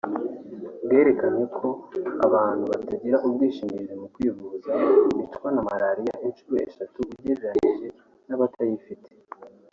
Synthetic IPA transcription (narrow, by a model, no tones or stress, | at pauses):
bɡe̞ːɾe̞kanekʰo̞a̰βaːn̥huβataɟiɾaʔubɡiːʃimiiɾemukwiːvuzaβitkwanamaɾaɾijaʔinʃuɾoʔḛʃatuβuɟeɾeɾaniʒe̞ | naβatʰajifitʰe̥